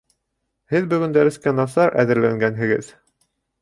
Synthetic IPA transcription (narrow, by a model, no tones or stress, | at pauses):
hɘðbɵ̆ɡɵ̆nd̪æɾɘ̆skænɑsɑɾʔæ̰ðɘ̆ɾlæŋɡænɦɘ̆ɡɘð